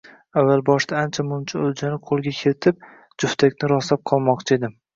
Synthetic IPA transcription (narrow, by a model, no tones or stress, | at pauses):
avːalˠbɒʃt̪aːnt͡ʃʰamʊnt͡ʃʰaɵld͡ʒanɪqʰolˠɡʲakʲʰe̞lt̪ʰɪp̚ | d͡ʒʊft̪ʰakʲnɪɾɒsap̚qʰɒlˠmɒqt͡ʃʰɪe̞d̪ɪ